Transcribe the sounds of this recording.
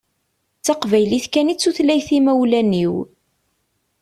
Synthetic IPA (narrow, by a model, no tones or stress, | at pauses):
t͡sːɑqvæjliθkænit͡sːuθlæjθimæwlæniw